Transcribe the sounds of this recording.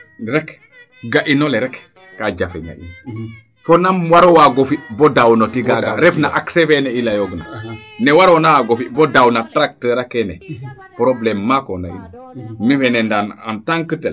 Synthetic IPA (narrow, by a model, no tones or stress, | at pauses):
ɾɛk | ɡaʔinoleɾɛkː | aɟafeɲa̰ḭn | fonamwaɾowaɡofibodawnotiɡaɡaɾɛfnaʔaksefɛneilajoɡna̰nɛwaɾonawaɡofibodawnatɾak̚təɾakɛnɛ̰ | pɾoblɛmːakonda̰ḭna | mifɛnɛndana̰ntaŋkətel